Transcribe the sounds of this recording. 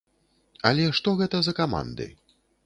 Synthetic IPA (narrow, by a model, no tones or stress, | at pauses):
ɐlʲɛʂt̪ɔɣɛt̪ɐzɐkama̰nd̪ɨ̰